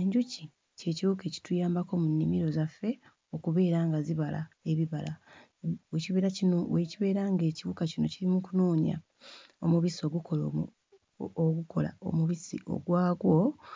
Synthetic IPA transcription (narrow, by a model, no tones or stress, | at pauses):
eɲɟuci | ce̞ːciβukeci̥tujaːmbako̞munːimiɾo̞zafːe̞ | o̞kuβe̞ːɾaːŋɡaziβalʔa̰e̞βiβala | weciβe̞ːɾacinoweciβe̞ːɾaŋɡe̞ːciβukacino̞cilimukunoːɲa̰ | omuβiso̞ːɡukolo | oɡuko̞la̰o̞̰muβisḭʔo̞̰ɡwaːɡwo̞